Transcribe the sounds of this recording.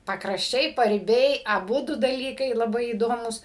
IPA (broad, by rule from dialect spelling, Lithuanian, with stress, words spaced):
pɐkrɐʃʲˈt͡ʃʲɛɪ pɐrʲɪˈbʲɛɪ ɐˈbʊdʊ dɐˈlʲiːkɐɪ lˠɐˈbɐɪ iːˈdoːmuːs